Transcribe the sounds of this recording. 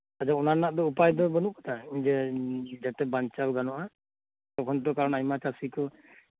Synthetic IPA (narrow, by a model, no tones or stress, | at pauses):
azaunaɹnaʔdɔupajdɔbɔnukɔ̥tʰazɛzatɛbant͡ʃawɡanɔʔa | tɔkʰɔnt̬ɔkaɹɔnajmat͡ʃasikɔ